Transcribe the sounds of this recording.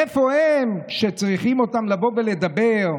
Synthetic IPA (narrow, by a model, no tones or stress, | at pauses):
efo̞hemkʃet͡sʁiχimo̞t̪amlavo̞vele̞d̪abeʁ